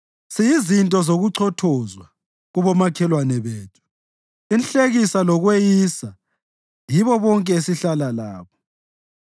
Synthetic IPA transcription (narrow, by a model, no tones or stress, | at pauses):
sijizintʼɔzoɣuǀʰɔtʰɔzwa | ɣuβɔmakʰɛlwanɛβeːtʼʰu̥ | inɬʼeɣisalɔɣwejisa | jiβɔβɔŋkʼɛesiɬalalaːβɔ